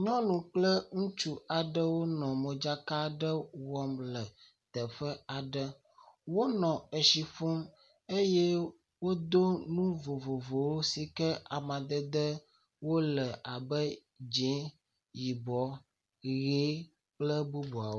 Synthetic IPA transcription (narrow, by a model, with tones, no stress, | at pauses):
ɲɔ̃˦nũ˨k͡plə˦ŋũ˦t͡ʃu˦a˨ɖə˦wo˦nɔ̃˨mə̃˨d͡ʒa˦ka˦ɖə˦wɔ˦mlə˨ | t̪ə˨ɸə˦a˨ɖə˦ | wo˦nɔ̃˨ə˨ʃi˨fo˦m | e˦jɛ˦ | wo˦d̪o˦nũ˦vo˨vo˨vo˨wo˦si˨kə˦a˨mã˨d̪ə˦d̪ə˦ | wo˦lə˨ʔa˨bə˦ | d͡ʒɛ˨˦ | ji˨bɔ˦ | ɣe˨˦ | k͡plə˦bu˦bu˨a˨wo˦